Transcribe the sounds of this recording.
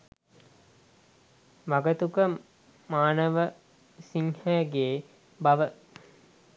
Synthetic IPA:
ʋaɡət̪ukə | maːnəʋə | siŋhɛjəɡeː | bɐʋə

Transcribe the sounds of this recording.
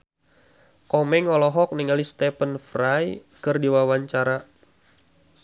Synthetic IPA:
kɔmɛŋɔlɔɦɔk̚niŋalist̪ɛpənfrajkərdiwawaɲt͡ʃaɾa

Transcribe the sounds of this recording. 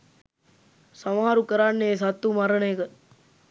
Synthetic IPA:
sɐmaɦaɾukəɾaːnːeːs̬at̪ːumaɾəɳejkə

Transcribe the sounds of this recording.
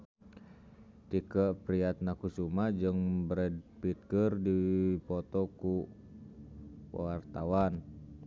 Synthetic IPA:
t̪ikəpɾiat̪̚nakusumad͡ʒɨŋbɾɛd̚pit̪̚kərdipɔt̪ɔku | wart̪awan

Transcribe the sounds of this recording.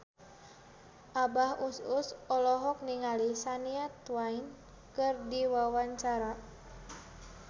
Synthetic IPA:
ʔabahʔusʊsɔlɔɦɔk̚niŋalisaniat̪wain | kɨrdiwawaɲt͡ʃaɾa

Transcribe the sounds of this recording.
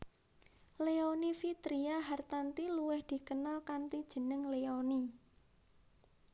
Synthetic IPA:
leonifit̪ɾiaɦart̪ant̪iluwɪhd̪̥i̤kənalkant̪id̥ʒ̥ə̤nəŋleoni

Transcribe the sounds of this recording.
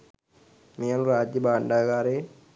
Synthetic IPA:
meːluɾaːd͡ʒjɐbaːɳɖaːɡaːɾeː

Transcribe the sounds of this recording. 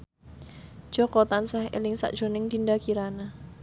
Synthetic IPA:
d̥ʒ̥ɔ̤kɔt̪ansahḛlɪŋsa̰ʔdʒ̥o̤nɪŋt̪indakiɾana

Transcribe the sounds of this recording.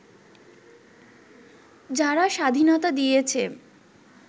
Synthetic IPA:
d͡ʑaɾaʃad̪ʱinot̪ad̪ijet͡ɕʰe

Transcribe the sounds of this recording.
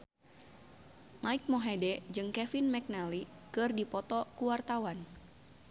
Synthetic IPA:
maik̚moɦɛdɛd͡ʒɨŋkɛfinmɛk̚nalikɨrdipɔt̪ɔkuwart̪awan

